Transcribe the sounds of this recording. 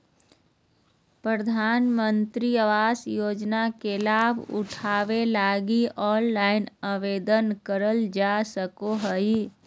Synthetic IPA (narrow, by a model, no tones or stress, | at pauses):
pɾəd̪ʱaːnmə̃nt̪ɾiəʋaːsjoːd͡ʒnakelaːbʱʊ̰ʈʰaːʋelaːɡiɔːnlaːɪnəʋeːd̪ənkəɾəld͡ʒasəkoɦəi